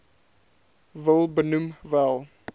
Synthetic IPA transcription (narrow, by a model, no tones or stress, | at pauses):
vəlˠbənumvælˠ